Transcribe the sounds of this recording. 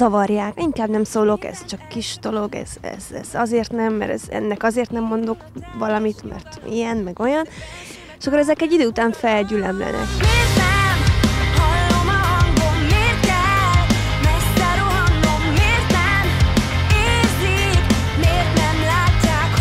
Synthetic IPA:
zɒvɒrjaːkiŋkaːbnɛmsoːlo̞kɛ̰z̥t͡ʃɒkːiʃd̪̥o̞lo̞ɡɛ̰z̥ɛ̰z̥ɛ̰z̥ɒzeːrt̪nɛmːɛ̰ɾɛ̰zɛ̰nːɛkɒzeːrt̪nɛmːo̞nd̪o̞kvɒlɒmit̪mɛ̰rt̪ḭjɛnmɛɡo̞jɒn | ʃɒkːoɾɛzɛkɛɟːid̪øːut̪aːɱfɛlɟylɛmlɛ̰nɛ̰keːrt̪ɛmhɒlːomɒɒŋɡomɦeːrt̪ɛl | mɛsɛɾo | ŋːomɦeːrt̪ɛ | m | eːrzi | k | meːrt̪nɛmlaːcːaːk

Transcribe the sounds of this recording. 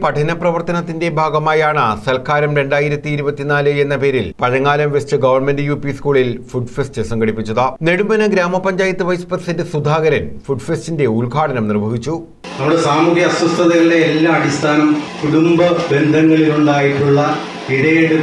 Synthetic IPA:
pɐʈʰɐnɐprɐʋɐrt̪ɐnɐt̪ːinde̞bʱaːɡɐmaːjaːɳɨsɐlkʰaːɾɐmɾe̞ɳɖaːjiɾɐt̪ːiːɾubɐt̪ːinaːlɨe̞nːɐpe̞ːɾilpɐɻɐŋːaːlɐmʋest͡ɕɨɡɐʋɐrme̞ndɨjuːpiskuːɭilfuɖfestɨsɐŋɡɐɽipːit͡ɕːɐðɨne̞ɽumɐnɨɡɾaːmɐpɐɲd͡ʑaːjɐt̪ːɨʋɐjspɐd̪isɐndɨsud̪ʱaːɣɐɾɐnfuɖfestinde̞ulɡʱaːʈɐnɐmnirbʱɐʋit͡ɕːu | nɐmuɽesaːmuɣjɐɐswɐst̪ʰːɐðɐjɐɽeːlːaːmɐɽist̪ʰaːnɐmkuɽumbɐbe̞nd̪ʱɐŋːɐɭiluɭɖaːjiʈːuɭːɐ | iɽɐjeɽɨ

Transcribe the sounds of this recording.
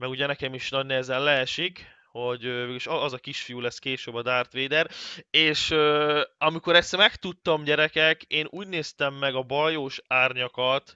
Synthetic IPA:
mɛɡuɟɛnɛkɛmiʃnɒɟnɛzɛnlɛɛʃik | ho̞ɟømeɡiʃɒzɒkiʃfijulɛskeːʃøbːɒd̪aːrt̪ʋeːd̪ɛɾeːʃøɒmiko̞ɾɛst̪mɛkt̪ut̪ːɒmɟɛɾɛkɛkeːnuːɟneːst̪ɛmːɛɡɒbɒjoːʃaːrɲɒkɒt̪

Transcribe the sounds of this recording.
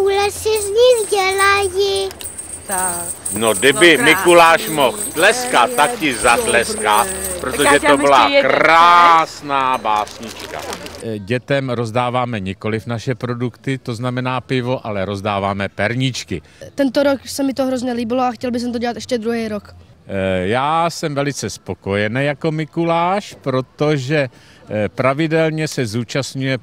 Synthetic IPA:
ulɛsɪzɲɪxɟɛlajɪ | nodɪbɪmɪkulaːʃmo̞xt̪lɛskat̪ːakcɪzat̪lɛskapɾot̪oʒɛt̪obɪlakɾaːsnaːbaːsɲɪt͡ʃka̰ɟɛt̪ɛmɾo̞zdaːvaːmɛɲɪko̞lɪfnaʃɛpɾo̞dukt̪ɪt̪o̞znamɛnaːpɪvo̞ʔalɛɾo̞zdaːvaːmɛpɛɾɲɪt͡ʃkɪ | t̪ɛnt̪oɾoksɛmɪt̪oɦɾozɲɛliːbɪloaxcɛlbɪs̬ɛmt̪oɟɛlat̪ɛʃcɛd̪ɾuɦɛjɾok | jaːsɛmvɛlɪt͡sɛspo̞ko̞jɛnɛjako̞mɪkulaːʃpɾo̞t̪o̞ʒɛ | pɾavɪdɛlɲɛsɛzuːt͡ʃastɲujɛ

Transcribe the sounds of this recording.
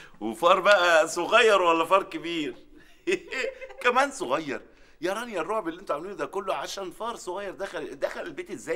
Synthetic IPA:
wefɑːɾˤbæʔæsoɣæjːɑɾˤwælːæfɑɾˤkebiːɾ | kæmæːnsoɣæjːɑɾˤ | jɑɾˤɑːnijærˤːoʕbeliʔent̪oʕamæliːnd̪ækolːoʕaʃæːnfɑːɾˤsˤoɣɑjːɑɾˤd̪æxæld̪æxælelbeːt̪ezːæː

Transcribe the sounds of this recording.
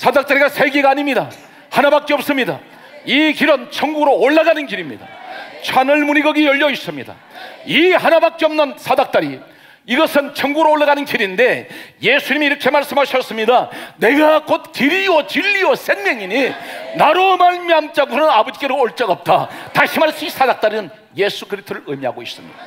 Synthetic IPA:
sʰadak̚t͈aɾiɡasʰe̞ɡeɡaːɲimɲida | hanabak͈eʌp̚s͈ɯmɲida | ikiɾʌnt͡ɕʰʌŋɡuɡɯɾoːɭːaɡanɯnkiɾimɲida̰t͡ɕʰanɯɭmuɲiɡʌɡiʌʎːʌis͈ɯmɲida̰ | ihanabak̚k͈eʌmnɯnsʰadak̚t͈aɾi | iɡʌsʰɯnt͡ɕʰʌŋɡuɡɯɾooɭːaɡanɯnkiɾinde̞je̞sʰuɲimiːɾʌkʰe̞maɭs͈ɯmɦaɕʰʌs͈ɯmɲidane̞ɡakot̚kiɾiwʌt͡ɕiʎːiʌsenmjʌŋiɲinaɾomaɭmiant͡ɕ͈aɡnɯnabʌd͡ʑik͈eɾooɭt͡ɕ͈aɡʌp̚t͈ʰataɕʰimaɭs͈uisʰadak̚t͈aɾinɯn | je̞sʰukɯɾistʰoɾɯɭɯmiaɡois͈ɯmɲid̥a

